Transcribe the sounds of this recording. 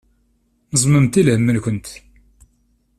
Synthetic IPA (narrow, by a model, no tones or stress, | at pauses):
nəzˤməmt̪ilhəmːəlkʷənt̪